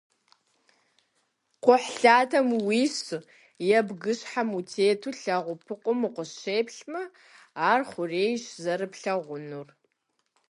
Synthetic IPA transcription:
qʷʊħɬaːtʰɐmwiːɕ | jɛbɡɨɕħamutʰeːtʰuɬɐʁʷʊpʰɨqʷʼʊmɨqʷʊɕeːpʰɬmɐ | aːrχʷʊreːjʃzɐɾɨpɬɐʁʷʊnur

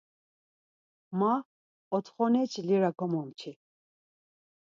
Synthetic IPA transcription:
ma | ɔt̪ʰχɔnɛt͡ʃʰiliɾakʰɔmɔmt͡ʃʰi

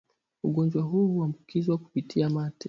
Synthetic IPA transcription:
uɠɔnd͡ʒwaɦuhuambukizwaku̥pitʰiamati

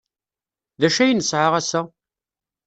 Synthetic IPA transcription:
ðæʃæjnəsʕaʁæsæ

